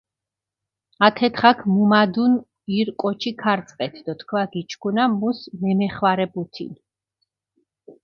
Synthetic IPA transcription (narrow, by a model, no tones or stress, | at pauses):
at̪ʰɛt̪χakʰmumad̪un | iɾkʼɔt͡ʃʰikʰaɾt̪sʼqʼɛt̪ʰd̪ɔt̪ʰkʰvaɡit͡ʃʰkʰunamusmɛmɛχwaɾɛbut̪ʰḭn